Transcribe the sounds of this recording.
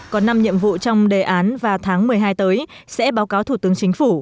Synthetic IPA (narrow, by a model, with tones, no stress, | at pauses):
kɔ˨˦nːa˧mɲḭ˧˨əmvṵ˧˨t͡ɕɔ˧wŋ͡mɗe˨˩ʔaː˨˦nvaː˨˩wt̪ʰaː˨˦ŋmɨ˨˩əjɦaː˧jt̪əː˨˦j | sɛ̰˧˥ɓaː˨˦wkaː˨˦wt̪ʰu˧˩t̪ɨ˨˦əŋt͡ɕï˨˦ŋ̟fu˧˩